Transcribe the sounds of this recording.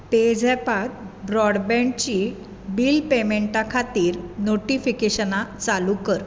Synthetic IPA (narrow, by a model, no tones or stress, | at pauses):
ped͡zʱɛpat̪̚bɾɔɽbɛ̃ɳ̚t͡ɕi | biːlpemeɳʈakʰat̪iːɾnoʈifikeɕənat͡salukəɾ